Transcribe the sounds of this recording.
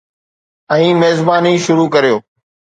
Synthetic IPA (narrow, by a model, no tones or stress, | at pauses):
ə̃ĩːmeːzbaːniːʃʊɾuːkəɾijoː